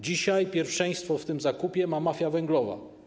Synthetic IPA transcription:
d͡ʑiɕajpʲjɛɾfʂɛj̃st̪fɔft̪ɘmzakupʲjɛmamafʲjavɛŋɡlɔva̰

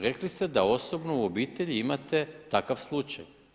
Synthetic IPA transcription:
ɾe̞klist̪ed̪ao̞so̞bnouo̞biːt̪e̞ʎiimat̪e̞t̪akaʋslˠut͡ʃaj

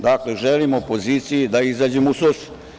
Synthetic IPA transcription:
d̪akleʒelimoopo̞ziːt̪sijid̪aizaːd͡ʑemusosi̥

